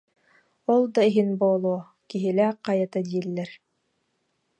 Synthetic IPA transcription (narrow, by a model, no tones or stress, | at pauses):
ɔlˠd̪ɑiɦinboːlˠuː | kiɦilæːqɑjat̪ad̪iːlːɛɾ